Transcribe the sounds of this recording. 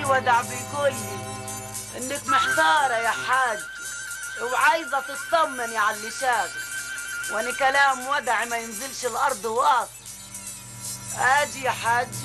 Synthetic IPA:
wad̪aʕbɪkuːlːi | ʔɪnːɪkmɪħt̪ɑːɾˤɑjaħad͡ʒː | wʕajzat̪ɪt̪t̪ˤɑmːɪniʕalːɪʃaːbiwʔanikalaːmwad̪ʕimajɪnzɪlʃɪlʔɑɾˤd̪ˤwʔat̪ˤ | ʔaːd͡ʒijaħad͡ʒː

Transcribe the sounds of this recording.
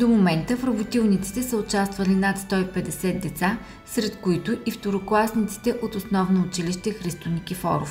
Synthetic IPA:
d̪omomɛnt̪əfɾɐbʊt̪ilˠnit̪si̥t̪ɛsəʊt͡ʃast̪vɐlinat̪st̪ɔipɛd̪ɛsɛt̪̚d̪ɛt̪sa | sɾɛt̪kʊit̪ʊʔift̪oɾoklˠasnit̪si̥t̪ɛʔot̪osnɔvnoːt͡ʃiliʃt̪ɛxɾist̪onikʲifɔ̰ɾo̰f

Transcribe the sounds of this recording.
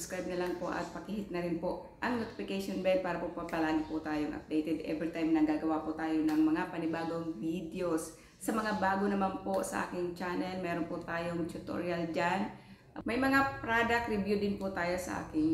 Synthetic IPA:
ʊ̥skɹajb̚nɐlɐŋpoʔɐ̰t̪̚pɐkihɪt̪̚nɐɾɪnpoʔ | ʔɐŋnot̪ɪ̥fɪkɛʃonbɛnd̪̚paːɾɐpopɐpɐlaːɡɪpʊt̪aːjoŋʔɐ̰p̚d̪ɛjt̪ɛd̪ɛ̰vɾit̪ajmnɐɡaːɡɐwapʊt̪aːjonɐŋmɐŋapɐnɪbaːɡoŋvid̪ɛo̞sː | ɐmɐŋabaːɡonɐmanposɐ̰ʔa̰ːkɪŋt͡ʃaːnɛlmɛːɾonpʊt̪aːjoŋt̪ʊt̪o̰ɾjɐld͡ʒan | mɐjmɐŋapɾad̪ɐk̚t̪ɾɪbjud̪ɪnpʊt̪aːjosɐʔa̰ːkɪŋ

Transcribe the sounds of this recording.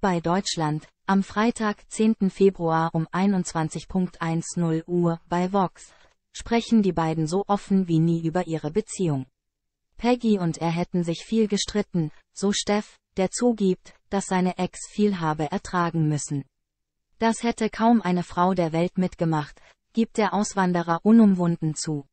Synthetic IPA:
b̥aɪdɔʏt͡ʃlant | ʔamfʁ̥aɪtʰaːkt͡seːntn̩feːbʁuaːʔʊmʔaɪnʊntt͡sv̥ant͡sɪçpʰʊŋk̚tʔaɪnsnʊlʔuːɐb̥aɪvɔks | ʃpʁ̥ɛçn̩diːbaɪdn̩zoːʔɔfn̩viːniːʔyːbɐʔiːʁəbət͡siːʊŋ | pʰɛɡiʊnteːɐɦɛtn̩zɪçfiːlɡəʃtʁ̥ɪtn̩z̥oːʃtɛf | d̥eːɐt͡suːɡiːp̚td̥asz̥aɪnəʔɛksfiːlɦaːbəʔɛɐtʁ̥aːɡŋ̩mʏsn̩ | d̥ashɛtʰəkʰaʊmʔaɪnəfʁ̥aʊdeːɐvɛltmɪtɡ̥əmaχt | ɡ̥iːp̚t̚d̥eːɐʔaʊsv̥andəʁɐʔʊnʊmvʊndn̩t͡suː

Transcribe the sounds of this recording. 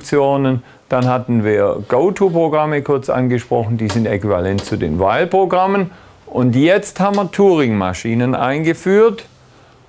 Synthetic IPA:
t͡sjoːnən | d̥anhatn̩viːɐɡ̥oʊtʰupʁ̥oɡʁaməkʰʊɐt͡sʔa̰nɡəʃpʁ̥ɔχn̩d̥iːzɪntekiva̰lɛnt̚t͡sudḛːnvaɪlpʁ̥oɡʁamən | ʔʊntjɛt͡sthaːbmvəɐtʰuːʁɪŋma̰ʃiːnənʔa̰ɪnɡəfyːɐt

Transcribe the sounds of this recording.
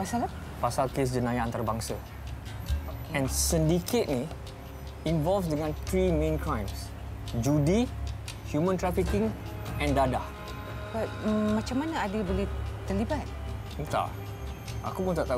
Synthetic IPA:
pasala | pasalkes̬d͡ʒənajaãnt̪aɾəbãŋsə | ɛ̃nsĩndiket̚ni | ĩɱvɔlfs̬dəŋãnt̪ɾimẽnkʰɹãjms | d͡ʒudi | hjumə̃nt̪ɾɛfikĩŋ | ɛ̃ndada | bamat͡ʃamːanəadəbolet̪əlibat̪̚ | ut̪a̰ʔ | ʔa̰kupunt̪aʔt̪a

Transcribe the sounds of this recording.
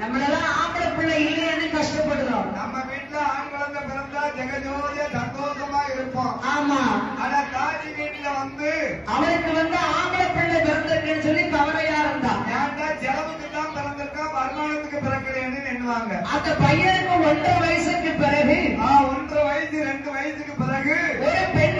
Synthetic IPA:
nɐmːɐɭɛlːãːaːɡɐlɐpːɪɭːɐɪlːeːɐnːɯkɐʂʈɐpːɐɽɯðõ̰ːnɐmːɐʋiːʈːɪlɐaːɳɡɐɭɐnɐpɪɾɐnd̪aːd͡ʒɛɣɐd͡ʒoːɐðeːsɐnd̪oːʂɐmaːɪɾɯpːõːaːmaːaːnaːt̪aːɾiʋiːʈːɪlɐʋɐnd̪ɯɐʋɐɾɯkːɯʋɐnd̪ɯaːɳɡɐlɐpɛɳːɐpɪɾɐnd̪ɪɾɯkːɐnɯsɔlːit̪ɐɣɐʋɐjaːɪɾɯnd̪ã̰ːjaːɾt̪aːd͡ʒɛlɐmɯkːɯt̪ːãːmpɪɾɐnd̪ɪɾɯkːaːmɐɾɯmaːɳɐt̪ːɯkːɯpɪɾɐɣɐɽeːnːɯnɛɳːɯʋaːŋɡɐʔɐnd̪ɐpɐjːɐɾɯkːɯmɔɳɖrɯʋɐjɐsɐkːɯpɪɾɐɣɯaːɔnɖɯʋɐjɐsɯɾɛɳɖɯʋɐjɐsɯkːɯpɪɾɐɣɯɔɾɯpɛɳ

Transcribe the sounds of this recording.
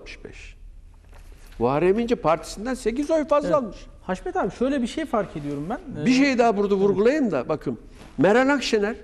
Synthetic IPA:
t̪mɯ̥ʃbɛ̰ʃ | vaːɾemind͡ʒɛpʰaɾt̪ʰi̥sind̪ænse̞c̬izojfazlˠalˠmɯʃ | haʃmɛt̪ʰaːbiʃøjlʲɛbiʃejfaɾcʰed̪ijo̞ɾumbænbiʃ̬ejid̪aːbuɾd̪avuɾɡulˠajɯmd̪abakʰɯm | mɛɾanakʃenæɾ

